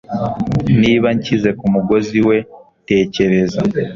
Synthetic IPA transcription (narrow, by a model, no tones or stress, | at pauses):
niːβaɲcize̞kumuɡo̞ziwe̞ | te̞ːce̞ɾe̞za